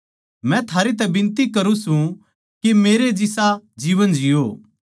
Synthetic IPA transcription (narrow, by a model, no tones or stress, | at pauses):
mɛ̃t̪ʰaːɾet̪̬ɛbɪ̃nt̪ikɐɾũsũ | kemeːɾed͡ʒɪsad͡ʒiːʋənd͡ʒɪjoː